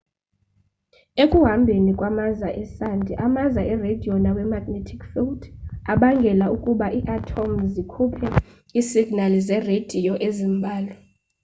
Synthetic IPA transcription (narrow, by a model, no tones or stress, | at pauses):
ekʼuɦambʱenikʼwamazaʔɛsandʱiʔamazaɛredʱijɔnawɛmaɡ̥netʰi̥kfildaɓaŋɡʱɛlaukʼuɓaʔiʔatʰomzikʰupʰɛ | isiɡ̥nalizɛred̥ʱijɔʔezimbʱaːlɔ